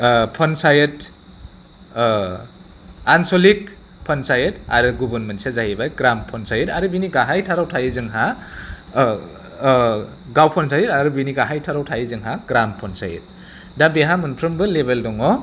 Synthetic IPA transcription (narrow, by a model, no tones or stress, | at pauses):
pʰɔnsajet | ansolik̚ | pʰɔnsajeta̰ɾɯɡubɯnmɯnsezaɦibajɡɾampʰɔnsajɯtaɾɯbiniɡaɦajtʰaɾawtʰajizɯŋɦa | ɡawpʰɔnsajɯtaɾɯbiniɡaɦajtʰaɾawtʰajizɯŋɦaɡɾampʰɔnsa̰jɯ̰t̚ | dabeɦamɯnpʰɾɯmbɯlebeldɔŋɔ